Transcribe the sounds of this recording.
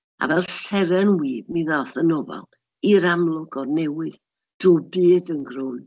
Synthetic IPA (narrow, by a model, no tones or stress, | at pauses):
a̰vɛlˠsɛɾɛnwiːbmiðɔθənɔba̰lˠ | iɾamlˠʊɡɔrnɛwɨð | d̥rubiːdənɡrʊn